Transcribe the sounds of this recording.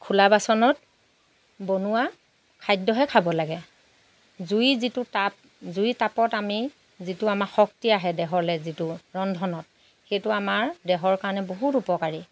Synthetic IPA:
kʰulabasɔnɔt̚ | bonʊwa | kʰajdːɔɦɛkʰabɔlaɡɛ | zuizitʊtap̚ | zuitapɔtami | zitʊamaxɔk̚tiaɦɛdɛɦɔɹlɛzitʊɹɔndʱɔnɔt̚ | xejtʊamaɹdɛɦɔɹkaɹɔnɛboɦutupɔkaɹi

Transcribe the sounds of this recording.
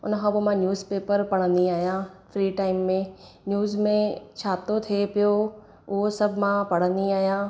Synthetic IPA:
ʊ̰nə̆kʰãːbomãnjuːzpeːpəɾpɐɽ̃ə̃nd̪iaːɦijãfɾiːʈaːɪmːẽ | njuːzmẽt͡ɕʰaːt̪ot̪ʰiepijo | ʊɦosɐbʱmãpɐɽ̃ə̃nd̪iaːɦijãː

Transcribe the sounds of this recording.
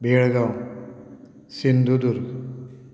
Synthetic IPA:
beːɭɡaw | sind̪ʱud̪uɾ

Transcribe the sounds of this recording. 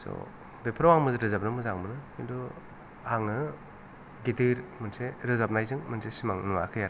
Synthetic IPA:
sɔ̰ | bepʰɾawaŋmɯzɯɾɯzap̚nɯmɯzaŋmɯnɯkindu | aŋɯ | ɡitɯɾmɯnseɾɯzap̚najzɯŋmɯnsesimaŋnuwakʰɯjaɾ

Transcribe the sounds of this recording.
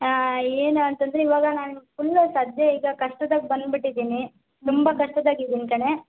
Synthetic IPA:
eːnɐnt̪ɐnd̪ɾeiʋaːɡɐnaːnufulːɐsaːd̪jɐiːɡɐkɐʂʈɐd̪aːɡebɐnd̪biʈːid̪iːni | t̪umbɐkɐʂʈɐd̪aːɡid̪iːnikɐɳe̞

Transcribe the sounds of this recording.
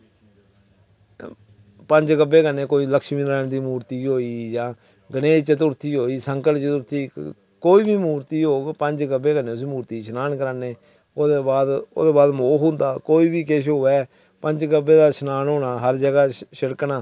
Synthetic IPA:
pəɲd͡ʒɡəbːeːkənːẽːkoːiːləkʃmiːnɾaːnd̪iːmuːɾt̪iːɦoːiːd͡ʒãː | ɡəneːt͡ʃət̪ʊɾt̪iːɦoːiːsəŋkəlt͡ʃt̪ʊɾt̪iː | koːiːbiːmuːɾt̪iːɦoːɡpəɲd͡ʒɡəbːeːkəneːʊs̬iːmuːɾt̪iːʃʰnaːnkəɾaːneː | oːd̪eːbaːd̪o̰ːd̪eːbaːd̪moːɦʊ̃nd̪aːkoːiːbiːkeʃ̬ɦoːɛː | pəɲd͡ʒɡəbːeːd̪aːʃənaːnɦoːnaːɦəɾd͡ʒəɡaːʃəɽknaː

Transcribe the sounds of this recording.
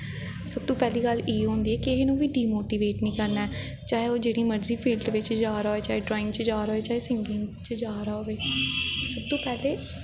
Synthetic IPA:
səb̚t̪õːpɛːliːɡəliːɦõːnd̪iːɛːkɪɦeːnũːʋiːɖiːmoːʈiːʋeːʈnĩːkəɾnaːɛː | t͡ʃaːɦeːoːd͡ʒeːɽiːməɖziːpʰiːlɖʋɪt͡ʃd͡ʒaːɾoːeːt͡ʃaːɦeːɖɾɔːɪ̃ŋɡt͡ʃd͡ʒaːɾoːeːt͡ʃaːɦeːsɪ̃ŋɡɪŋt͡ʃəd͡ʒaːɾaːɦoːʋeːsəb̚t̪õːpɛːleː

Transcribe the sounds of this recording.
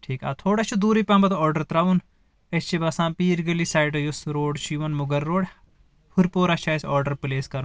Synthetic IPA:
ʈʰiːka̰ːt̪ʰoːɽɐt͡ʃʰud̪uːɾipãːmbɐt̪ɔːɾɖɐɾt̪ɾaːʋun | ɐst͡ʃʰibɐsãːpiːɾɡɐlisaːjʈɐjusɾoːɖt͡ʃiʋɐnmuɡɐɾːoːɽ | pʰuɾpoːɾɐt͡ʃʰaːjsɔːɾɖɐɾpleːskɐɾun

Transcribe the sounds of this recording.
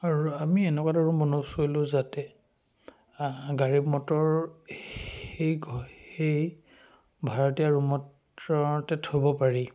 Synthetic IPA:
aɹuamiɛnɛkataɹumɔnosojlʊ̃zatɛ | ɡaɹibmɔtɔɹ | ejɡhej | bʱaɹɔtiaɹumɔt | ɔtɛtʰobɔpaɹi

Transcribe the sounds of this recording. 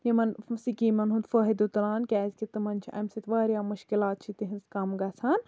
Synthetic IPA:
jimɐnsikiːmɐnɦũnt̪fəɦid̪ut̪laːnkʲɛːzʲkit̪ɨmɐnʲt͡ʃʰiʔɐ̰msit̪ʰʋaːɾijaːmɐʃkilaːt̪̚t͡ʃʰit̪iɦinskɐmɡɐt͡sʰaːn

